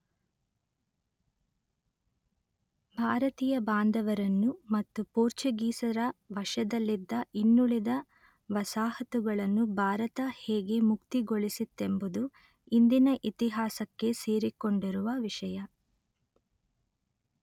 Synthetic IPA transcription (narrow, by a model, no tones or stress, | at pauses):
bʱaːɾɐt̪iːjɐbʱaːnd̪ɐʋɐɾɐnːumɐt̪ːupoːɾt͡ʃɐɡiːsɐɾɐʋɐʂɐd̪ɐlːid̪ːɐʔinːuɭid̪ɐ | ʋɐsaːhɐt̪uɡɐɭɐnːubʱaːɾɐt̪ɐhɛːɡe̞mukt̪iɡoɭisit̪ːe̞mbud̪u | ind̪inɐʔit̪iɦaːsɐkːe̞seːɾiko̞ɳɖiɾuʋɐʋiʂɐjɐ